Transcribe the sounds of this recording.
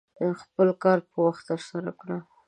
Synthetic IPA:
əxpəlkɑɾpəwaxt̪ːəɾsaɾakɽa

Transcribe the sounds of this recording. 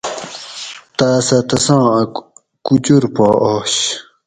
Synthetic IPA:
t̪aːsat̪ɐsãː | kut͡ɕuɾpoːʔɔːɕ

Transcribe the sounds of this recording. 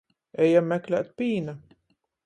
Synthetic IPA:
ɛjamːæklʲæ̰ːt̪̚pʲiːna

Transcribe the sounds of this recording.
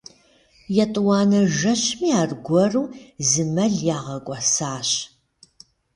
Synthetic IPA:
jɛtʼɨwɑːnɐʒɐɕmiːaːrɡʷɔruːzɨmɐɮjaːʁɐkʷʼɔsaːɕ

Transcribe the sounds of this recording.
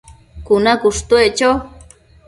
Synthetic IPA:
kʊnakʊʂt̪wet͡ʃaw

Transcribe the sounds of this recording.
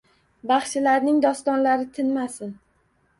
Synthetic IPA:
bɑχt͡ʃɪlaɾnɪŋd̪ɒst̪ɒnlaɾɪt̪ʰɪnmasɪn

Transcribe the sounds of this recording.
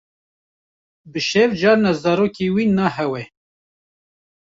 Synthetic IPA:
bɨʃɛvd͡ʒɑːɾnɑzɑːɾoːkiwiːnːɑːɦɛwɛ

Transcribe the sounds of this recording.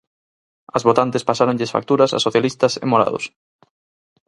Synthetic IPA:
ɐzβot̪ant̪espasaɾõŋʎesfa̰k̚t̪uɾɐsa̰soθjalist̪ɐsḛmoɾa̰ðo̰s

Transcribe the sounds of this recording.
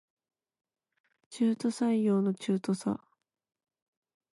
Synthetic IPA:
t͡ɕɨːt̪o̞saijo̞ːno̞t͡ɕɨːt̪o̞sa̰

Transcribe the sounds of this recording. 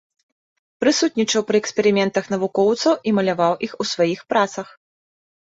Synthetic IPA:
pɾɨsut̪̚ʲnʲit͡ʂɐwpɾɨɛksʲpʲɛɾɨmʲɛnt̪ɐxn̪ɐvukɔwt̪sɐwʔimɐlʲavawʔixusvajixpɾat̪sɐx

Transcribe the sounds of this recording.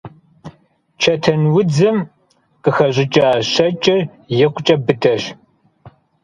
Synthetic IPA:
t͡ʃʰɐtʰɐnwʊd͡zɨm | qəxɐɕʼɪt͡ʃʼaːɕɐt͡ʃʼɪr | jɛqʷʰʼʊt͡ʃʼɐbɨdʰʼɐɕ

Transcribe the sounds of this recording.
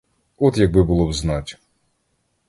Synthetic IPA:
ɔt̪jɐɡ̚bɪbʊlˠɔbznɑtʲ

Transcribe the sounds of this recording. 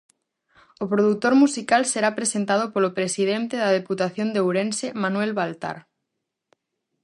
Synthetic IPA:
opɾoðut̪oɾmusikalseɾapɾesent̪að̞opolopɾesið̞ent̪eðað̞eput̪aθjond̪ewɾẽnsemanwelβalt̪a̰ɾ

